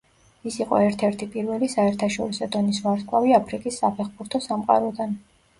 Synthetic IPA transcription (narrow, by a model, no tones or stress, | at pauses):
isiqʼɔ̰ɛɾt̪ʰɛɾt̪ʰipʼiɾvɛlisaɛɾt̪ʰaʃɔɾisɔd̪ɔnisvaɾt̪kʰʼwaviapʰɾikʼisːapʰɛχbuɾt̪ʰɔsamqʼa̰ɾɔd̪an